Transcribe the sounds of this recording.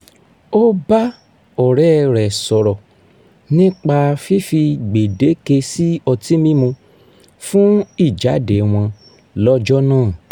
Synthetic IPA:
o˦ba˦ | ɔ˨ɾɛ˦˨ɾɛ˨sɔ˨ɾɔ˨ | nĩ˦k͡pa˧fi˦fi˧ɡ͡be˨de˨˦ke˧si˦ɔ˧ti˦mĩ˦mõ˧ | fũ˦i˦˨d͡ʒa˨˦de˨˦w̃ɔ̃˧ | lɔ˦d͡ʒɔ˦nãː˦˨

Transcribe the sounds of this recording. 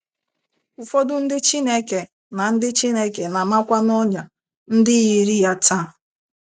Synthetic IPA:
u˨fo˦dʊ˦n̩˦dɪ˦t͡ʃi˦ne˦ke˨ | na˨n̩˦dɪ˦t͡ʃi˦ne˦ke˨na˨ma˦kʷa˦n˦ɔ˦ɲa˨ | n̩˦dɪ˦ɣi˨ɾi˦ja˦ta˦˨

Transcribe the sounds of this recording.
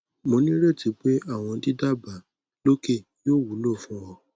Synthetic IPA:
mõ˧˦nĩ˦ɾe˦˨ti˨˦k͡pe˦a˦˨w̃ɔ̃˧˦di˦da˦˨ba˨ | lo˦ke˦˨ | jo˦˨wu˨˦lo˦˨fũ˦wɔ˧

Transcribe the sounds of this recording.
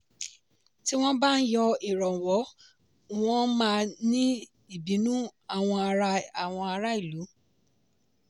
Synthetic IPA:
ti˦w̃ɔ̃˦ba˦˨n̩˦jɔ˧i˨ɾɔ˨wɔ˨˦ | w̃ɔ̃˦mã˦˧nĩ˦ | i˦˨bĩ˨˦nũ˦a˦˨w̃ɔ̃˧a˧ɾa˦˨w̃ɔ̃˧a˧ɾa˦i˦˨lu˨˦

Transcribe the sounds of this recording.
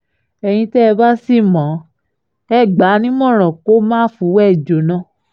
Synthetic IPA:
ɛ˧j̃ĩ˧tɛ˦˧ba˦si˦˨mã˨˦ | ɛ˦˨ɡ͡ba˨˦nĩ˦mɔ̃˦˨ɾ̃ɔ̃˨ko˦mãː˦fu˨˦wɛ˦˨d͡ʒo˨nã˧˦

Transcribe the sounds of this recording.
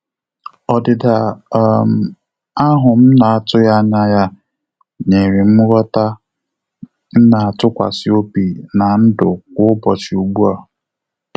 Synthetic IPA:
ɔ˨dɪ˨da˨˦˨m˨ | a˦ɦʊ˨m̩˦na˨a˦tʊ˦ja˦ɲa˦ja˦ | ɲe˨ɾi˨m̩˦ɾɔ˦ta˦ | n̩˦na˨a˨tʊ˦kʷa̰˨si˦o˦pi˨na˨n̩˦dʊ˨kʷʊ˦bɔ˨t͡ʃi˨u˨ɡ͡bu˦a˨

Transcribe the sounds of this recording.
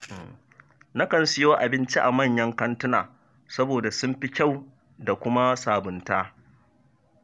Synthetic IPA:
na˦kɐ˨nsɪ˦jo˦ʔa˨bɪ˦nt͡ʃi˦ʔa˨mɐ˦˨ɲjɐ˦ŋkɐ˦ntʊ˦na̰ː˨ | sɐ˦boː˨da˨sʊ˦mɸi˦kʲa˦˨w | da˨kʷʊ˦ma˦saː˨bʊ˨ntaː˦

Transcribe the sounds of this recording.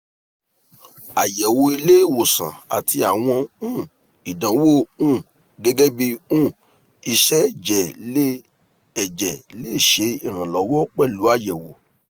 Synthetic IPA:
a˨jɛ˨wo˧i˧le˦˨wo˨sã̰˨a̰˨tʰi˧a˨w̃ɔ̃˧ũ˦˨ | i˨dã˨˦wo˦˨ũ˦˨ | ɡɛ˦ɡɛ˦bi˧ũ˦˨ | i˧ʃɛ˦d͡ʒɛ˨le˦ | ɛ˨d͡ʒɛ˨le˦˨ʃe˨˧˦i˦˨ɾ̃ã˨lɔ˨˦wɔ˦k͡pɛ˦˨lu˨˦a˦˨jɛ˨wo˨

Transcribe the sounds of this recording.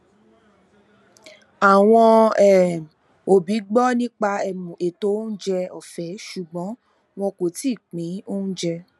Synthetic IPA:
a˨w̃ɔ̃˧ɛ˨ | o˨bi˨˦ɡ͡bɔ˦nĩ˦k͡pa˧ɛ˧mũ˨e˨to˨˦n̩˦d͡ʒɛ˧ɔ˨fɛ˨˦ʃu˨ɡ͡bɔ̃˨˦ | w̃ɔ̃˧ko˨ti˦˨k͡pĩ˨˦o˦n̩˦d͡ʒɛ˧

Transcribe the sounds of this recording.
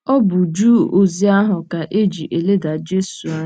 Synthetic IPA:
ɔ˦bʊ˨d͡ʒuː˦˨o˨zi˦a˦ɦʊ˨ka˨ʔe˦d͡ʒi˨ʔe˨le˦da˨d͡ʒe˦su˨˦

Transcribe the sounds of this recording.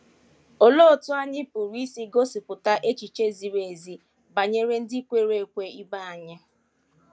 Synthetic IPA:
o˨lo˦˨tʊ˦a˦ɲɪ˦pʊ˨ɾi˦si˦ɡo˦sɪ˨pʊ˨ta˦ʔe˦t͡ʃi˨t͡ʃe˦zi˨ɾe˨e˨zi˨ | ba˨ɲe˦ɾe˦n̩˦di˦kʷe˦ɾe˦e˨kʷe˦i˦ba˦a˨ɲɪ˦

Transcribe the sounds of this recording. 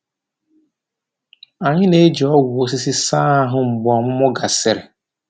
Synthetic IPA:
a˨ɲɪ˦ne˨˦d͡ʒi˨ɔ˦ɡʊ˨o˦s̬i˦si˦saː˦a˦ɦʊ˦ŋ͡m̩˨ɡ͡bʊ˨ɔ˨mʊ˦mʊ˦ɡa˨sɪ˨ɾɪ˨

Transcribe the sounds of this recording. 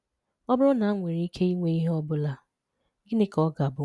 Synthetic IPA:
ɔ˦bʊ˦ɾʊ˦na˨˦ŋʷe˨ɾi˦kʰe˦i˦ŋʷe˦i˦ɦe˦ɔ˦bʊ˦la˦ | ɡɪ˦ne˦kɔ˦ɡa˨bʊ˨˦

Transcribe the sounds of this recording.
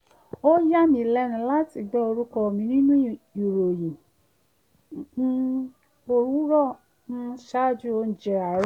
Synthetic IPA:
o˦ja˦mĩ˧˦˨lɛ˧˦nũ˧˦la˦ti˨ɡ͡bɛ˦o˧ɾu˦kɔ˧˨mĩ˧˦nĩ˦nũ˦˨u˨ɾo˨jĩ˨˦ | o˧ɾũ˦ɾɔ˦˨ | ñ̩˦ʃa˦˨d͡ʒu˦o˧n̩˨d͡ʒɛ˧a˨ɾ

